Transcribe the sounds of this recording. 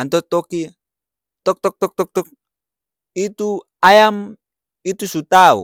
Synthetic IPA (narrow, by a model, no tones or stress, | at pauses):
ant̪ɔt̪ɔki | t̪ɔk̚t̪ɔk̚t̪ɔk̚t̪ɔk̚t̪ɔk̚ | it̪u | ajam | it̪usut̪aṵ